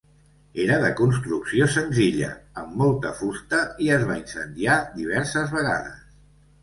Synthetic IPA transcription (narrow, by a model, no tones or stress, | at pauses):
eɾəðəkunst̪ɾuksiosənziʎə̰əmːɔlˠt̪əfust̪əiəzβainsənd̪iad̪iβ̞ɛɾsəzβəɣa̰ðə̰s